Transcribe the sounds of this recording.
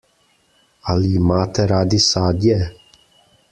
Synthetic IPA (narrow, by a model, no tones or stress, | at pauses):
aliimaːt̪ɛɾaːd̪ɪsaːd̪ʲɛ